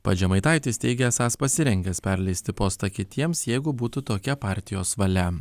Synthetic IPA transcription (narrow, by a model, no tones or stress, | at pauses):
pɐd͡ʒʲɛmɐɪt̪ɑˑɪt̪ʲɪsʲt̪ʲɛɪɡʲɛɐsɑːspɐsʲɪɾʲɛŋʲɡʲɛspʲɛɾʲlʲɛɪsʲt̪ʲɪpoːst̪ɐkʲɪt̪ʲiɛmsjɛɪɡʊbuːt̪ut̪oːkʲɛpɑːɾʲt̪ʲɪjoːsʋɐlʲɛ